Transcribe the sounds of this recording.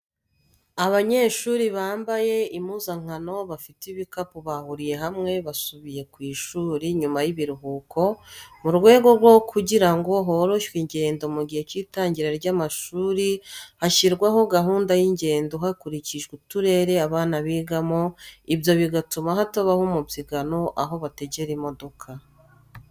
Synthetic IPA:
aβaɲe̞ːʃuːɾiβaːmbaje̞imuːzaŋ̥hano̞βafitiβikapuβahuɾije̞ɦamŋe̞βasuβije̞kwiːʃuːɾiɲumajiβiɾuɦuːkʰo̞muɾɡwe̞ːɡo̞ɾɡwo̞kʰuɟiɾaŋɡo̞ɦoɾo̞ʃwiɲɟe̞ːndo̞muɡihe̞t͡ʃiːtaːɲɟiɾaɾɟaːmaʃuːɾihaʃiɾɡwaɦo̞ɡaɦuːndajiɲɟe̞ːndoɦakuɾiciʒɡutuɾe̞ːɾe̞aβaːnaβiːɡamo̞ibjo̞βiɡatumaɦatoβahumubjiɡano̞ʔaɦo̞βateɟe̞ɾimo̞do̞kʰa

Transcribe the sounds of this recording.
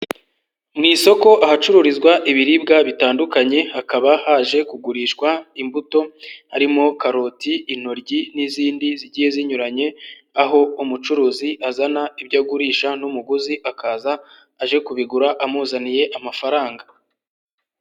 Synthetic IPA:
mŋiːso̞ko̞ʔaɦat͡ʃuɾuɾizɡwaʔiβiɾib̚ɡaβitaːndukaɲe̞hakaβahaʒe̞kuɡuɾiʃkwaimbuto̞haɾimo̞kaɾo̞tiːn̥o̞ɾɟiniziːndiziɟiːje̞ziɲuɾaɲe̞ | aɦo̞umut͡ʃuɾuːziʔazanaibɟaɡuɾiːʃanumuɡuziʔakaːzaː | ʒe̞kuβiɡuɾaʔamuzanije̞ʔamafaɾaːŋɡa

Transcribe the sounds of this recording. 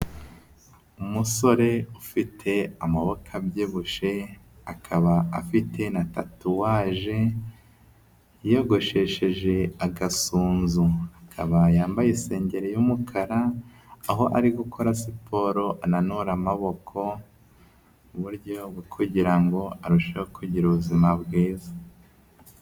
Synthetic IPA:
umuso̞ɾe̞ufitʰe̞amaβo̞kʰabjiːβuʃe̞ | akʰaβa̰ːfitʰe̞natatuwaːʒe̞ | joɡo̞ʃe̞ʃe̞ʒe̞aɡasuːnzuakʰa̰βajaːmbajese̞ːɲɟe̞ɾejumukʰaɾaː | ɦo̞ʔaɾiɡukʰo̞ɾasipʰo̞ɾo̞ʔananuɾamaβo̞kʰo̞ | uβuɾɟo̞bwikʰuɟiɾaŋɡo̞aɾuʃehokʰuɟiɾuβuzimabɡiːzḁ

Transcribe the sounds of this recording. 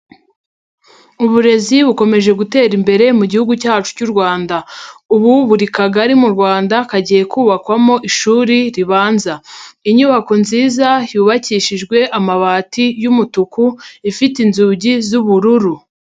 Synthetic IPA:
uβuɾe̞ziβuko̞me̞ʒe̞ɡute̞ːɾimbe̞ɾe̞muɟihuɡucaːt͡ʃu̥cuɾɡwaːndauβuβuɾikaɡaɾimuɾɡwaːndakaɟije̞kuːβakwamo̞ʔiʃuːɾiɾiβaːnzaiɲuβako̞nziːzajuːβaciːʃiʒɡwe̞ʔamaβaːtijumutukuifitinzuːɟizuβuɾuɾu

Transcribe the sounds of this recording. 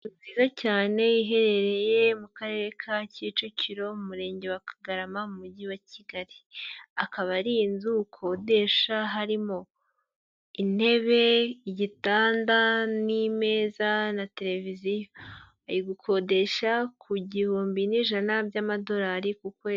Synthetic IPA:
uziːzacaːne̞iɦe̞ɾe̞ɾe̞je̞mukaɾe̞ːɾe̞kʰacit͡ʃuciɾo̞mumuɾe̞ːɲɟe̞wakḁɡaɾamamumuɟiwaciɡaɾiakaβaɾinzukʰo̞de̞ʃaɦaɾimo̞ | in̥he̞βe̞ɟitaːndanime̞ːzanate̞ɾe̞vizijo | ajiɡukʰo̞de̞ʃakʰuɟihuːmbiniʒanabɟaːmado̞ɾaːɾikukwe

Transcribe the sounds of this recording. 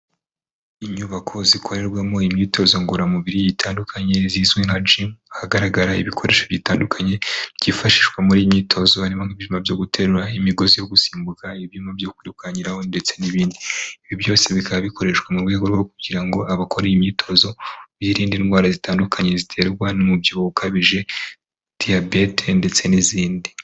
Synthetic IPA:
iɲuβakʰo̞zikʰo̞ɾe̞ɾɡwamo̞imɲiːtʰo̞zo̞ŋɡuɾamuβiɾiitʰaːndukʰaɲe̞zizwenhad͡ʒimahaɡaɾaɡaɾaḭβikʰoɾe̞ːʃoβjitaːndukʰaɲe̞ɟifaʃi̥ʃɡwamuɾiːjimɲiːtʰo̞zo̞aɾimaŋ̥iβiʒimavjo̞ːɡutʰe̞ɾuɾaimiɡo̞zijo̞ɡusiːmbukaiβjuːmabjoːkuɾikwaɲiɾaho̞nde̞t͡se̞niβiːndiiβibjo̞ːseβikaβaβiko̞ɾe̞ʃwamuɾɡwe̞ːɡo̞ɾɡo̞kuɟiɾaŋɡoaβakʰoɾejimɲiːtʰo̞zo̞βjiːɾiːndinɡwaːɾazitaːndukʰaɲe̞zitʰe̞ɾɡwanomubjoukʰaβiʒe̞ | d̥iabe̞tʰende̞t͡se̞niziːndi

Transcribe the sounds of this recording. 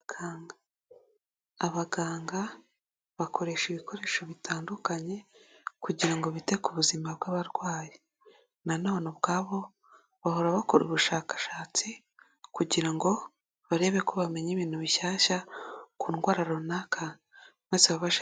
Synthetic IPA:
ɡaːɡa | βaɡaːŋɡa | βakoɾe̞ʃiβiko̞ɾe̞ːʃoβitaːndukaɲe̞kuɟiɾaŋɡo̞βitekuβuzimabɡaβaɾɡwaːje | nanonobɡaːβo̞ | βaɦo̞ɾaβako̞ɾuβuʃaːkḁʃaːt͡si | kuɟiɾaŋɡo̞ | βaɾe̞ːβekoβame̞ɲiβiːn̥huβiʃaːʃakuːnɡwaːɾaɾo̞nakʰa | meseβaβaʃ

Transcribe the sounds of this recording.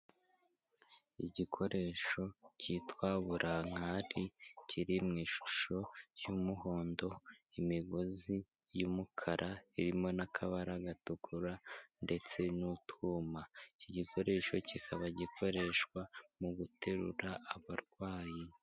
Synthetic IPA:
iɟikʰo̞ɾe̞ʃo̞citwaːβuɾʔaŋ̥haɾicʰiɾimŋiːʃu̥ʃo̞jumuho̞ːndo̞imiɡozi | jumukʰaɾʔaiɾimo̞nakʰaβaɾaɡatukʰuɾande̞t͡se̞nutumaicoɟikʰo̞ɾe̞ʃo̞cikʰaβaɟikʰo̞ɾe̞ʃkwamuɡutʰe̞ɾṵɾaaβaɾɡwaːji

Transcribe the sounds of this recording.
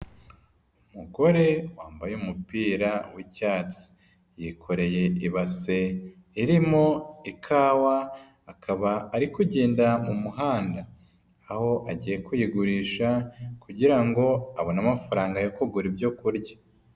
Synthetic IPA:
umuɡo̞ɾe̞waːmbajuːmupiːɾawicaːt͡si̥ | jikʰo̞ɾe̞je̞iβase̞ | iɾimo̞ikʰaːwaː | kʰaβaːɾikuɟeːndamumuɦaːndaː | ho̞ʔaɟiːje̞kujiɡuɾiːʃakuɟiɾaŋɡo̞aβo̞namafaɾaːŋɡajokoɡuɾibjo̞kuɾɟa

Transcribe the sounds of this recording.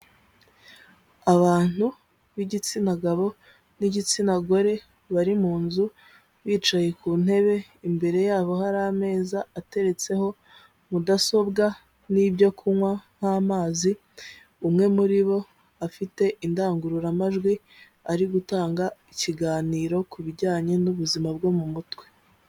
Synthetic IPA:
aβaːn̥hu | βiɟit͡sinaɡaβo̞ | niɟit͡sinaɡo̞ɾe̞ | βaɾimuːnzu | βiːt͡ʃaje̞kuːn̥he̞βe̞imbe̞ɾe̞jaːβo̞haɾaːme̞ːzaːte̞ɾe̞t͡se̞ho̞ | mudaso̞bɡa | nibjo̞kʰumwaŋ̥haːmaːzi | umŋe̞muɾiβo̞ | afite̞ʔindaːŋɡuɾuɾamaʒɡwi | aɾiɡutaːŋɡaiciɡaːniːɾo̞kuβiɟaːɲe̞nuβuzimabɡo̞mumutwe

